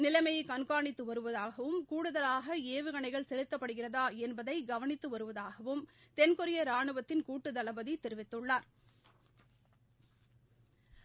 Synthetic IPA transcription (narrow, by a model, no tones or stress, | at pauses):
nɪlɐɪmɐjɐɪkɐnkaːɳɪt̪ːɯʋɐɾɯʋɐðaːɣɐʋɯmkuːɽɯðɐlaːɣɐeːʋɯɣɐɳɐɪɣɐɭsɛlɯt̪ːɐpːɐɽɯɣɪrɐðaːɛnbɐðɐɪɡɐʋɐnɪt̪ːɯʋɐɾɯʋɐðaːɣɐʋɯmt̪ɛnkɔɾɪjɐɾaːɳɯʋɐt̪ːɪnkuːʈːɯt̪ɐlɐbɐðit̪ːɛɾɯʋɪt̪ːɯɭːaːɾ